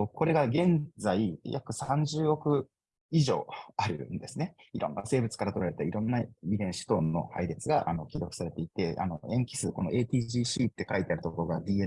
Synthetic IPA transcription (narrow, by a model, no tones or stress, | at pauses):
kʰo̞ɾe̞ɡaɡẽ̞nd͡zaijʔa̰kɯ̟sãɲd͡ʑɨːo̞kɯ̟ | iʑo̞̰ːaɾɯ̟nd̪e̞sɨne̞iɾõ̞̰nːase̞ːbɯ̟t͡sɨ̥kaɾat̪o̞ɾaɾe̞t̪aiɾõ̞nːaid̪ẽ̞ɰ̃ɕi̥t̪o̞ːno̞̰haiɾe̞t͡sɨɡaʔa̰no̞kʲid̪okɯ̟̥saɾe̞t̪e̞it̪e̞a̰no̞ẽ̞ŋkʲi̥sɨko̞no̞̰ʔe̞ːt̪ʲiːʑiːɕiːt̪ːe̞kait̪e̞aɾɯ̟t̪oko̞ɾo̞ɡad̪i